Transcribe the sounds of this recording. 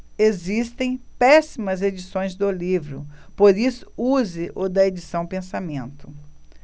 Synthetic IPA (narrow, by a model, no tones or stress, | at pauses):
ezist̪ẽj̃pɛsimɐzed͡ʒisõj̃zd̪ʊlivɾʊ̰poɾisʊ̥uzɪʔod̪ɐed͡ʒisɐ̃w̃pẽsamẽnt̪ʊ